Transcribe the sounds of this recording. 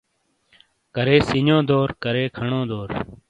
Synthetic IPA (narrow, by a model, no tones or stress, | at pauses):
kəɾeːsiɲjõːd̪oːɾkəɾeːkʰəɳõːd̪oːɾ